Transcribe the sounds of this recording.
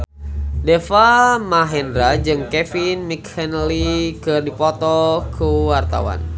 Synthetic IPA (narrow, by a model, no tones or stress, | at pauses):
dɛfamaɦɛndɾad͡ʒɨŋkɛfinmikhɛnlikɨrdipɔt̪ɔkʰuwart̪a̰wa̰n